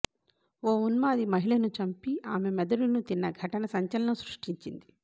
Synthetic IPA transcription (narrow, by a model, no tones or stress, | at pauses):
oːunmaːd̪imɐɦiɭɐnut͡ʃɐmpiaːmemɛd̪ɐɽunut̪inːɐɡʱɐʈɐnɐsɐɲt͡ʃɐlɐnɐmsɾuʂʈiɲt͡ʃind̪i